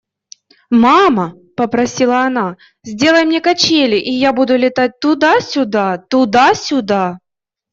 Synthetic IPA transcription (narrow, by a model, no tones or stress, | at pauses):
mamɐ | pəpɾɐsʲilˠəɐna | zʲdʲe̞lˠəjmnʲekɐt͡ɕelʲɪʔijabud̪ʊlʲɪt̪at̚ʲt̪ʊd̪asʲʊd̪at̪ʊd̪asʲʊd̪a